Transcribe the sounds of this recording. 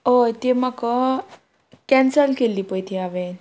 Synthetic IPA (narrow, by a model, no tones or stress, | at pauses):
ot̪emakə | kɛnsəlkelipəjt̪ʰiaʋen